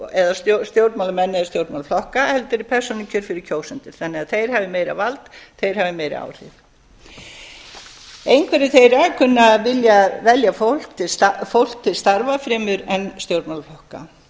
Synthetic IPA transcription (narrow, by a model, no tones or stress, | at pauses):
ɛðasost̪jowɾt̪mawlamɛnːɛðast̪jowɾt̪mawlflɔhkahɛlt̪ʏɾɪpʰɛɾ̥sɔnɪcʰʏɾ̥fɪɾɪɾ̥cʰoːwsɛnt̪ɪɾ̥θanːɪaðθejɾ̥havɪmeːjɾa̰valt̪θejɾ̥havɪmeːjɾɪ̰a̰ːwr̥ɪ̰ð | ejnkʰvɛːɾɪθejɾakʰʏnːavɪljavɛljaftɪfowl̥k̚t̪ʰɪlst̪aɾvafɾɛːmʏɾɛnst̪jowɾt̪mawlflɔhka̰